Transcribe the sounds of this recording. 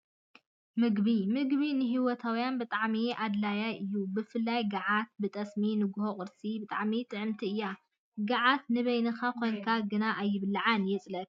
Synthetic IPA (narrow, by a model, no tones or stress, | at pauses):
mɨɡbimɨɡβinɨɦiwɔt̪ʰawjanbɨt̪ʼaʕmiad̪lajaʔɨjːubɨfɨlːajɡaʕat̪̚bɨt̪ʼɐsminɨɡʊhoχʼɨɾsʼibɨt̪ʼaʕmit̪ʼɨʕɨmt̪ʰiɨjːa | ɡɐʕat̪nɨβɐjnɨkakʰo̞jnkʰaɡɨnaʔajːɪβlːaʕanjɛt͡sʼlɐt̪̚